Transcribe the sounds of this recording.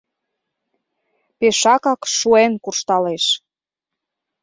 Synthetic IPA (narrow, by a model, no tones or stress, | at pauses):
peʃɑkɑkʃuenkurʃt̪ɑleʃ